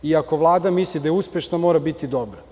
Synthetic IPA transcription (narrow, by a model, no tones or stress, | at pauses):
iako̞ʋlˠaːd̪amislid̪ajeuspʲjeʃnamo̞ːɾabit̪id̪o̞bɾa